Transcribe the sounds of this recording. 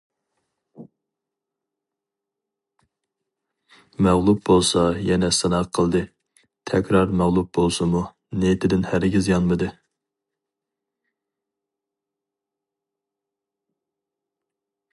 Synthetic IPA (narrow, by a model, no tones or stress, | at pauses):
mæʁlˠup̚bolˠsɑjɛnɛsɛnɑqqʰəlˠd̪ɨ | t̪ʰɛkʲɾɑɾmæʁlˠup̚bolˠsɨmu | net̪ʰɪd̪ɪnhæɾɡʲizjɑnmɨd̪ɨ